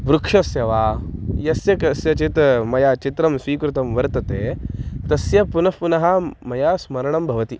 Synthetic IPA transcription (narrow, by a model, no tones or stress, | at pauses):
bɾukʂɐsjɐʋaːjɐsjɐkɐsjɐt͡ʃit̪mɐjaːt͡ʃit̪ɾɐmsʋiːkɾut̪ɐmʋɐɾt̪ɐt̪eːt̪ɐsjɐpunɐfpunɐɦɐmɐjaːsmɐɾɐɳɐmbʱɐʋɐt̪i